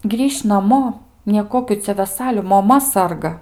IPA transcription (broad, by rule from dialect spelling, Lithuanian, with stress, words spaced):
ˈɡrʲiːʃʲ nɐˈmoː nʲiɛˈkoːkʲuː ˈt͡sʲɛ ʋʲɛˈsɑːlʲʊ moːˈmɐ ˈsɐrɡɐ